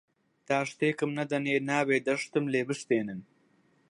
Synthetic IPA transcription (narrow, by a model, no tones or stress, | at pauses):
t̪aːʂt̪eːkɐmnɐd̪ɐneːnaːbeːd̪ɐʂt̪ɨmleːbɨʂt̪eːnɨn